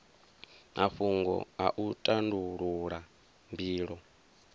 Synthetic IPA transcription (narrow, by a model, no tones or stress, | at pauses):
aɸuŋɡɔ̰aʔutʼanduɺuɺa | mbiːɺɔ